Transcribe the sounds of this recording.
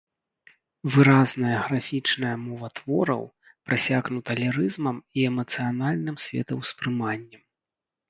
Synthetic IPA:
vɨɾaznɐjɐɣɾafʲit͡ʂnɐjɐmɔvɐt̪vɔɾɐ̰w | pɾɨsʲaɣnut̪ɐlʲɛɾɨzmɐmiɛmɐt̪sɨjanalʲnɨmsʲvʲɛ̰t̪ɐwspɾɨmanʲːɐ

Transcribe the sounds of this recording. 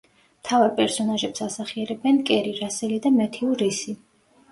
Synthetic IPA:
mt̪ʰavaɾpʼɛɾsɔnaʒɛpsasaχiɛɾɛbɛnkʼɛɾiɾasɛlid̪amɛt̪ʰiuɾisi

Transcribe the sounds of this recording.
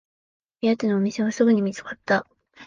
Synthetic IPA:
ijat̪enoːmʲise̞βasɨɡɯ̟ɲ̟imʲit͡sɨ̥kat̪ːa

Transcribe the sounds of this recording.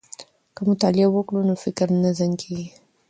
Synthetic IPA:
kəmʊt̪ɑlɪawəkɽunofɪkɾnazankʰeɡi

